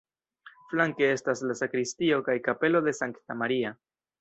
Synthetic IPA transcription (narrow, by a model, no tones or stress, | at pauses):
flaŋke̞e̞staslasakɾistio̞kajkape̞lo̞de̞saŋktamaɾia